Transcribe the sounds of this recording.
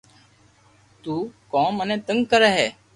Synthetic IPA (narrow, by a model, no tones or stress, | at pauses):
t̪uːkõːmənẽːt̪əŋɡkəɾeːɦɛː